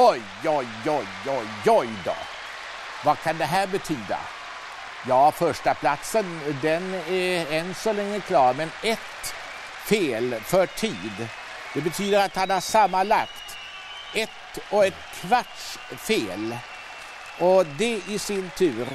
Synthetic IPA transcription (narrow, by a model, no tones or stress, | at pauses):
ɔj | ɔjɔjɔj | ɔjd̪ɔ̰ | vakʰand̪ɛɦæːɾbɛt̪ʰyːd̪a̰ | jɑːfœʂʈapʰlat̪sənd̪ɛnɛɛnsɔlɛŋːəkʰlɑːɾmɛnɛt̪ | feːlfœʈʰiːd̪ | d̪̥ɛbɛt̪ʰyːd̪əɾat̪hanhaʂamːalakt̪ | ɛt̪ɔɛt̪kʰvaʈʂfeːl | ʔɔd̪ɛɪsɪnt̪ʰʉ̟ːɾ